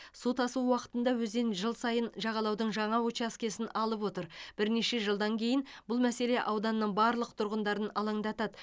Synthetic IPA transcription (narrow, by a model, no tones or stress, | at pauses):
sut̪ɑsuwwɑqə̥t̪ənd̪ɑwɵzd̪enʒəlˠsɑjənʒɑʁɑlˠɑwd̪əɴʒɑɴɑwot͡ʃɑskʲe̞sɪnɑlˠəp̬wo̞t̪əɾb̥ɪɾne̞ʃe̞ʒəlˠd̪ɑŋkʲʰe̞jɪnbʊlˠmæse̞le̞ʔɑwd̪ɑnːəɴbɑɾlˠəq̚t̪ʰʊɾʁənd̪ɑɾənɑlˠɑɴd̪ɑt̪ɑd̪ə